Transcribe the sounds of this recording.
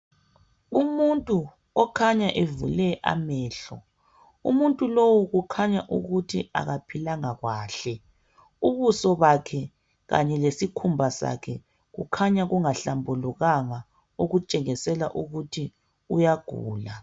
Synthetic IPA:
umuntʼu | ɔkʰaɲaʔevulɛʔa̰mɛːɬɔ̰ | ṵmuntʼulowuɣukʰaɲaʔuɣutʰia̰ɣapʰilaŋaɣwaːɬɛ | uβusɔβakʰɛ | ɣa̰ɲɛlesikʰumbʱasa̰kʰɛ | ɣukʰaɲaɣuŋaɬambʱuluɣaŋa | uɣut͡ʃʼɛɣisɛla̰ʔuɣutʰi | ujaɡ̥ʱṵːla

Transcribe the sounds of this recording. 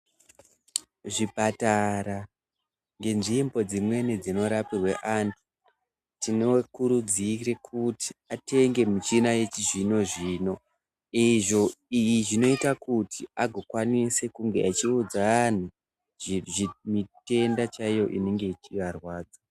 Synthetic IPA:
ʐipataɾa | ŋɡe̞nʐimbo̞d͡zimwe̞nid͡zino̞ɾapirweʔaːntʰu̥ | tinokuɾud͡zire̞kʰuti̥ate̞ŋɡe̞mut͡ʃinaje̞t͡ʃiʐino̞ʐiːno̞ | iʐo̞ijiʐino̞itakutʰiaɡʱo̞kwanise̞kuŋɡeat͡ʃiud͡zaan̤u | imite̞ndat͡ʃaijo̞̰ʔḭne̞ŋɡe̞it͡ʃiʋarwaːd͡za

